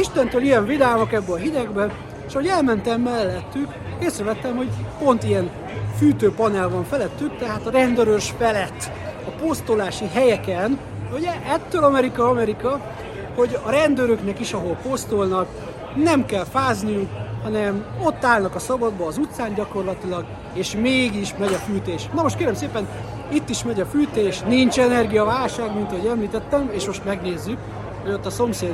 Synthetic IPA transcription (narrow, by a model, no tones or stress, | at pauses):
iʃt̪ɛnt̪øːlijɛɱvid̪aːmo̞kɛbːɛɒɦid̪ɛɡbɛ | ʃɒɦo̞ɟɛlmɛnt̪ɛmːɛlːɛt̪ːyk | keːsɾɛvɛt̪ːɛmho̞ɟpo̞nt̪ijɛn | fyːt̪øːpɒnɛlvɒɱfɛlɛt̪ːykt̪ɛɦaːt̪ɒɾɛnd̪øɾøʃfɛlɛt̪ː | ɒpost̪olaːʃiɦɛjɛkɛn | uɟɛʔɛt̪ːøːlɒmɛɾikɒɒmɛɾikɒ | ho̞ɟɒɾɛnd̪øɾø̞knɛkiʃɒɦo̞lpo̞st̪olnɒk | nɛmkɛlfaːznijukhɒnɛmot̪ːaːlnɒkɒsɒbɒd̪bɒːzut̪saːnɟɒko̞rlɒt̪ilɒɡ | eːʃmeːɡiʃmɛɟɒfyːt̪eːʃnɒmo̞ʃt̪keːɾɛmseːpɛn | it̪ːiʃmɛɟɒfyːt̪eːʃnint͡ʃɛnɛrɡijɒvaːlʃaːɡmint̪ɒɦo̞ɟɛmliːt̪ɛt̪ːɛmeːʃmo̞ʃt̪mɛɡneːzːyk | ho̞ɟo̞t̪ːɒso̞mseː